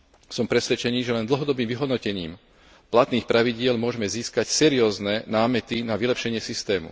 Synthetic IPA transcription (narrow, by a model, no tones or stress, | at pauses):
sɔmpɾɛsʋɛt͡ʃɛniːʒɛlɛnd̪l̩ɦɔd̪ɔbiːmʋiɦɔd̪nɔcɛɲiːm | plat̪niːxpɾaʋiɟɪɛlmʊɔʒɛmɛziːskacsɛɾiɔːznɛnaːmɛt̪inaʋilɛpʃɛɲɪɛsist̪ɛːmṵ